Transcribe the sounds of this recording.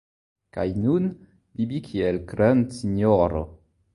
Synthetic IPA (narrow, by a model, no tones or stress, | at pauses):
ka̰jnun | bibikʰielkɾansinoɾo̰